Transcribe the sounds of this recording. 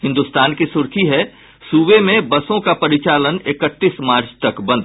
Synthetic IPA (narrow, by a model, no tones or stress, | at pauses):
ɦɪ̃nd̪ʊst̪aːnkisʊɾkʰiɦɛ | suːʋemẽbɐsõkapɐɾɪt͡ʃaːlənɪkət̪ːiːsmaːɾt͡ʃt̪ɐkbɐ̃nd̪